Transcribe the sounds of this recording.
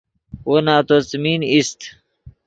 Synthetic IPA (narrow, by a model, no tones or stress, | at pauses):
wonaːt̪ot͡sminist̪